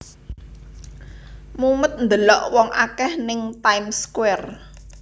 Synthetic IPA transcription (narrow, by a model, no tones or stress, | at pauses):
mumət̪̚nd̪əlɔʔwɔŋʔakɛhnɪŋt̪aimskwɛr